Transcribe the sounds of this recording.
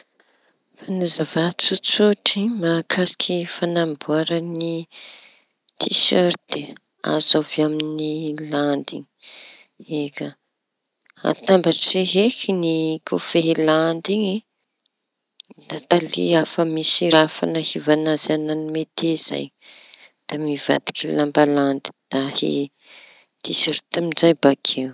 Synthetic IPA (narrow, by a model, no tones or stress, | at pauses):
fanazavat͡sut͡suʈ͡ʂimakʰasi̥kʲʰifanambuaɾəni | t̪ʰiʃaɾd̪̥e | a̰zaviaminiland̪ḭɲi̥ | eka | a̰t̪ambaʈ͡ʂeɦekinikʰofeɦland̪iɲi | d̪at̪alḭafəmisiɾafa̰nəhivanazananimet̪ez̥a̰j | d̪̥amiva̰d̪i̥kilambaland̪i̥d̪̥ahḛ | t̪iseɾt̪amind͡ʒajbakʰew